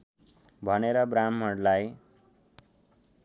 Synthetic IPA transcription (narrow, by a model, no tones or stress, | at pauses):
bʱʌneɾʌbramːʌɽlaj